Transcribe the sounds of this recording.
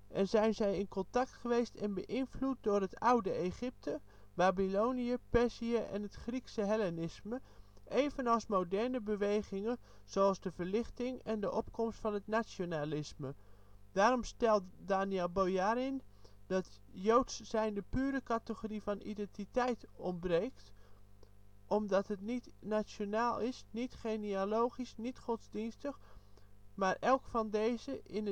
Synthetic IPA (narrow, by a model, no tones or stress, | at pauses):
ʔɛnzɛjnzɛjɪnkɔntɑk̚tχəʋejstɛnbəʔɪnvlut̚dʊːrɦətawdəeχɪp̚tʰə | baːbilowniəpɛsiəʔɛ̰nətχriksəɦɛlɛnɪsməʔejvənɑlˠsmowdɛɹnəbəʋejχɪŋən | z̥oɑlˠzdəvəɹlɪχtɪŋɛndəʔɔpkɔmstfɑnɦətnasonalɪsmə | daːɾɔmstɛlˠtdaːniɛlˠbojaɾɪnd̥ɑtjowtssɛjndəpyːɾəkatəɣorifɔnḭdɛntitɛjtɔmbreːkt | ʔɔmdɔtɦətnitnasjonaːlˠɪsnitχenioloːχisnitχɔtzdinstəx | maɹʔɛlˠkfɔndezəʔɪn